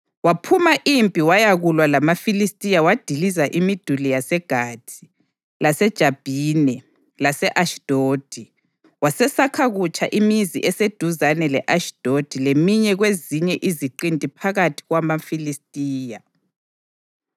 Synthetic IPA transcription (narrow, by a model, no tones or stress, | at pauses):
wapʰumaʔimpʼiwajaɣulwalamafilistʼijawad̥ʱilizaʔimid̥ʱulijasɛɡ̥ʱaːtʰi̥ | lasɛd̥ʒ̥ʱab̥ʱinɛ | lasɛʔaʃd̥ʱoːd̥ʱi | wasɛsakʰaɣut͡ʃʼaʔimizḭʔɛsed̥ʱuzanɛlɛʔaʃd̥ʱod̥ʱilemiɲɛɣweziɲɛʔiziǃintʼipʰaɣatʰi̥ɣwamafilistʼiːja